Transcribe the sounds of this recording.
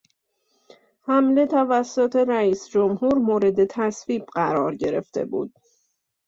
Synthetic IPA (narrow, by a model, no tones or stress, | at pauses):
hæmle̞t̪ʰævæsːot̪ʰe̞ɾæiːsd͡ʒomhuːɾmoːɾe̞d̪e̞t̪ʰæsviːb̚ɢæɾɒːɾɟe̞ɾe̞̰ft̪e̞̰bṵːd̪̥̚